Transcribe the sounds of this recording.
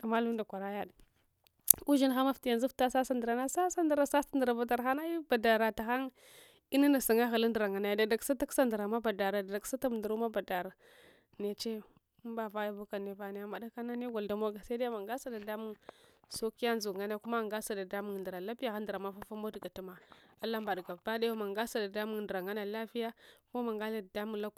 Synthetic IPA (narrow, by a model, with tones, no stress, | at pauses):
a˨ma˦lu˦nda˨kʷa˨ɾa˦ja˦d | u˦ʒi˦nxa˦ma˦fti˨ja˨nzu˦fta˦sa˦sa˦ndə˨ɾa˦na˦sa˦sa˦ndə˨ɾa˦sa˦sta˦ndə˨ɾa˨ba˨da˨ɾxa˦na˦i˦ba˨da˨ɾa˨ta˨ɣa˦ŋ | i˦na˦na˨sa˨ŋa˦ɣa˨la˦ndə˨ɾa˨ŋa˨na˨ja˨da˨da˨ksa˦ta˦ksa˦ndə˨ɾa˨ma˦ba˨da˨ɾa˨da˨da˨ksa˦ta˦m˨ndu˨ɾu˦ma˦ba˨da˨ɾa˨ | ne˨t͡ʃe˦ | ba˨va˦ja˦vu˦ka˨ne˦va˨na˦ja˦ma˨da˦ka˦na˦ne˦ɡa˨lda˨mo˦ɡa˨sa˦da˦jma˨ŋɡa˦sa˦da˨da˦mu˦so˦ki˦ja˦nzu˨ŋa˦n˦a˦ku˦ma˦˨ŋɡa˦sa˦da˨da˦mu˦˨ŋ˨ndɾa˨la˦pi˦ja˨xa˦n˦də˨ɾa˨ma˦fa˦fa˦mo˦dɡa˨ta˦ma˨a˦la˦mba˨dɡa˨ba˦da˦jo˦ma˨ŋɡa˦sa˨da˨da˦mu˦ŋ˨də˨ɾa˨ŋa˦na˨la˦fi˦ja˦ko˦ma˨ŋɡa˦la˨da˨da˦mu˦ŋla˦k